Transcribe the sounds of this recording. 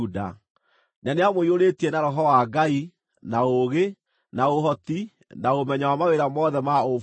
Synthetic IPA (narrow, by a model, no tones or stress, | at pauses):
uda̰ | neaneamoioɾetienaɾɔɦɔwaːɡai | naoɣe | naoɦɔti | naomɛɲawamaweɾamɔðɛmao